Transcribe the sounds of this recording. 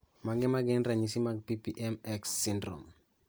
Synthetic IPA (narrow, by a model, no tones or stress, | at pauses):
maɡɪmaɡɪnɾaɲisimaɡ̚pipiʔɛmɛksːɪndɾo̰m